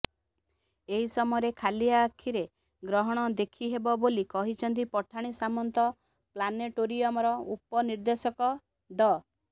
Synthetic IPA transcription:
eɦisɔmɔɔɾekʰaliaːkʰiɾe | ɡɾɔɦɔɽ̃ɔd̪ekʰiɦebɔbolikɔɦit͡ʃʰɔnt̪̬ipɔʈʰaɽ̃isamɔnt̪ɔ | planeʈoɾiɔmɔɾɔupɔniɾd̪esɔkɔ | ɖɔ

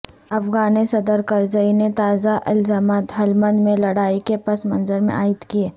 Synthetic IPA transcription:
ɐfɡaːnesɐd̪əɾkɐɾd͡ʒəinet̪aːzaʔɪlzaːmaːt̪ɦɐlmə̃nd̪mẽlɐɽaːikepɐsmɐ̃nzəɾmḛ̃ʔaːɪt̪kieː

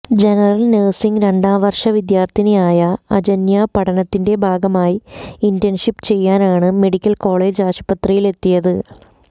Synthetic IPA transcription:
d͡ʑenɐrɐlneːsiŋɾe̞ɳɖaːʋɐrʂɐʋid̪jaːrt̪ʰinejaːjɐɐd͡ʑɐnjaːpɐʈɐnɐt̪ːinde̞bʱaːɡɐmaːjiindenʂipt͡ɕe̞jːaːnaːɳɨme̞ɽikʲːɐlko̞ːɭe̞ːd͡ʑaːʂɐ̥pɐt̪rijile̞t̪ːijɐðɨ

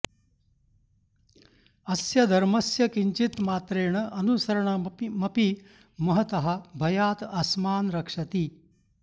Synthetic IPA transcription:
ɐsjɐd̪ʱɐɾmɐsjɐkiɲt͡ʃit̪maːt̪ɾeːɳɐʔɐnusɐɾɐɳɐmɐpi | mɐɦɐt̪ɐɦɐ̆bʱɐjaːt̪ɐsmaːnɾɐkʂɐt̪i

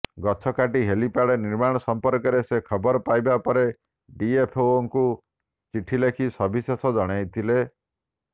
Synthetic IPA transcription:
ɡɔt͡ʃʰɔkaʈiɦelipaɽeniɾmaɽ̃ɔsɔmpɔɾkɔɾesekʰɔbɔɾɔpajbapɔɾe | ɖiepʰowɔŋku | t͡ʃiʈʰilekʰisɔbʱisesɔd͡ʒɔɽ̃ajt̪ʰile

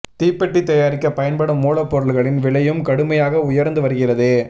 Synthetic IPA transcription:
t̪iːpːɛʈːit̪ːɐjaːɾɪkːɐpɐjɐnpɐɽɐmːuːɭɐpːɔɾɐɭɣɐɭɪnʋɪɭɐjɯmkɐɽɯmɐjaːɣɐʊjɐɾnd̪ɯʋɐɾɯɣɪrɐðeː

